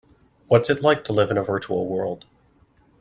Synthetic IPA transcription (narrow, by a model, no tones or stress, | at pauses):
wʌtsɨtˡlaɪk̚tʰəlɪvɨ̃ñəvɜ˞t͡ʃul̩ˠwɜ˞lˠd̥